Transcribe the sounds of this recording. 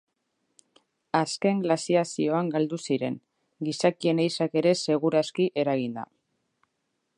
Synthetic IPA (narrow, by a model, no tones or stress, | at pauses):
aske̞ŋɡlasiasio̞aŋɡald̪usiɾe̞ŋ | ɡisakie̞nejsake̞ɾe̞se̞ɣ̞uɾaskiʔe̞ɾaɣ̞ind̪a̰